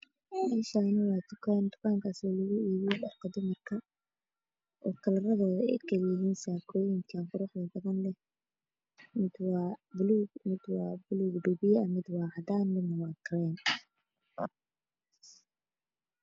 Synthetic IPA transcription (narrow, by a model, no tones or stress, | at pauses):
mɛːʃaːnɐwɑːt̪ʊkʰaːnt̪ʰʊ̥kʰaːŋkʰaːsaːlɐɣʊiːβɪjɔlɑħk̪ʰɐd̪ʊmɐrkʰɐ | ʔɔːkʰɐlɐrɐðɔːðɐɛ̰jkʰɐljɪɦiːnsaːkʰɔːjɪŋkʰaːnqʊɾʊħd̪ɐd̪ɐɣɐnlɛ | mɪd̪wɑːbluɡmɪd̪wɑːbʊluɡɖʊbɪjɐmɪd̪wɑːʕɑd̪aːnlɪnɐwɑːkʰrɛːn